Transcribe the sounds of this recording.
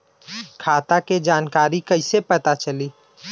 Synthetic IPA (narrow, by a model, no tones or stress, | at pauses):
kʰaːt̪aked͡ʒaːnkaːɾikɐɪsepɐt̪at͡ʃɐliː